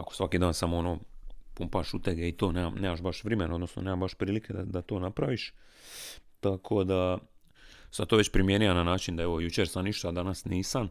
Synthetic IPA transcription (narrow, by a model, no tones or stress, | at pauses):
akosʋakid̪aːnsamoonoːpumpaʃut̪eɡeit̪o̞ːneːmamneːmaʃbaʃʋɾemenao̞d̪no̞sno̰neːmambaʃpɾiːliked̪a̰d̪at̪o̞ːnapɾaʋiʃ | t̪akʰo̞d̪a | samt̪oʋe̞t͡ɕpɾimjeniʋananaːt͡ʃind̪aeʋo̞jut͡ʃeːɾsamniʃt̪ad̪anasniːsam